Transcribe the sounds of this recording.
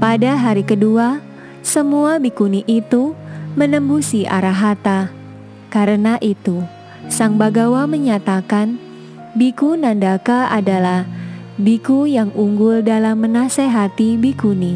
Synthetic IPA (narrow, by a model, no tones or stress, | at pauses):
padaɦaɾikədua | səmuabikuniʔit̪umənəmbusiʔa̰ɾaɦat̪a | kaɾənaʔit̪u | saŋbaɡawaməɲat̪akan | bikunandakaʔadalah | bikujaŋuŋɡʊldalamːənaseɦat̪ibikuni